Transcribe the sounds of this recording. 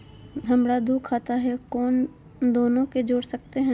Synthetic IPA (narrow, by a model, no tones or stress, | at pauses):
d̪ʱɐmɽad̪uːkʰːaːt̪aɦɛkɔːn | d̪oːnõked͡ʒoːɽsɐk̚t̪eɦɛ̃ː